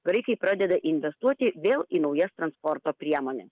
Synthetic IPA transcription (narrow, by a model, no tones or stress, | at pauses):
ɡ̥ɾɐɪkɐɪpɾɑːd̪ʲɛd̪ɐʔɪnʲʋʲɛst̪uɔt̪ʲɪʋʲeːlˠiːnɒʊjɛst̪ɾɐnspɔɾt̪oːpʲɾʲiɛmoːnʲɛs